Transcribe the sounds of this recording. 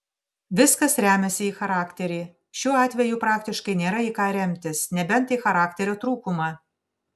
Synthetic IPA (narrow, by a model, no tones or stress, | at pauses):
ʋʲɪskɐsɾʲæːmʲɛsʲɪiːxɐɾɑːkʲt̪ʲɛɾʲiː | ʃʲuːɑːt̪ʲʋʲɛjuːpɾɑːkt̪ʲɪʃkɐɪnʲeːɾɐiːkɑːɾʲɛmʲt̪ʲɪsnʲɛbʲɛnˑt̪iːxɐɾɑːkt̪ʲɛɾʲoːt̪ɾuːkʊmɑː